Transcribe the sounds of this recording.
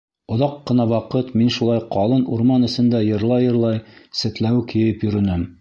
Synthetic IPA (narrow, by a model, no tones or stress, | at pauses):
ŏðɑqːɤ̆nɑwɑqɤt̪minʃulˠɑjqɑlˠɤnuɾmɑnɘ̆sɘ̆nd̪æjɤ̆ɾlˠɑjɤ̆ɾlˠɑjsɘ̆t̪læwkijɘpjɵ̆ɾɵ̆nɘm